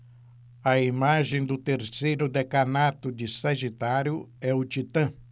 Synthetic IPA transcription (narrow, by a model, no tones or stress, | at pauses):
ɐimaʒẽj̃d̪ʊt̪eɾsejɾʊd̪ekanat̪ʊd͡ʒɪsɐʒit̪aɾjʊɛʊt͡ʃit̪ɐ̃